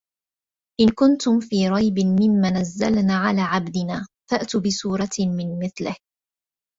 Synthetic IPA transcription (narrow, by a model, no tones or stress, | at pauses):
ʔɪnkʊnt̪ʊmfiːɾˤɑjbɪmɪmːaːnazːa̰lnaːʕalaːʕabd̪ɪnaːfaʔt̪ubɪsuːɾˤɑmɪnmɪθlɪh